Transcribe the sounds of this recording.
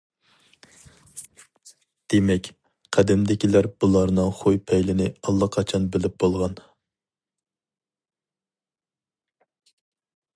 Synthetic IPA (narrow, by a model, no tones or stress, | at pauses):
d̪̥emɛkʲ | qʰæd̪ɪmd̪ɪkʲilæɾbulˠɑɾnɨŋχojpʰɛjlɪnɪɑlˠːɑqʰɑt͡ʃʰɑnbɪlɪp̚b̥olˠʁɑn